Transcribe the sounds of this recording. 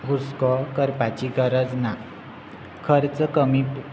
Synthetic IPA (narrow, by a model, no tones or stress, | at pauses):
ɦuskɔkəɾpat͡ɕiɡəɾəd͡zna | kʰəɾt͡səkəmipu